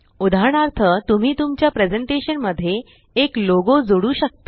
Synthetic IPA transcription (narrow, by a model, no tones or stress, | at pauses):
ud̪ʱaɾɳ̃aɾt̪ʰət̪um̤iːt̪umt͡ɕjapɾed͡zeɳʈeɕənməd̪ʱːje | ekloɡod͡zoɽuːɕək̚t̪ə̥